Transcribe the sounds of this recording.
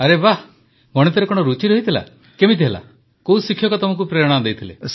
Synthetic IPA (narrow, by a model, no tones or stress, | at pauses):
aɾeba | mɔɽet̪ɔɾekɔɽ̃ɔɾut͡ʃiɾɔɦit̪ʰila̰ | kemit̪ʰiɦela̰ | kousikʰjɔkɔt̪ɔmɔŋk̬upɾeɾɽ̃ad̪ejt̪ʰilḛ